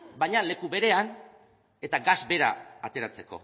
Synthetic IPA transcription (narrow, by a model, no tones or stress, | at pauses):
bajɲale̞kuβe̞ɾe̞an | e̞t̪aɡazbe̞ɾaːt̪e̞ɾat͡se̞ko̞̰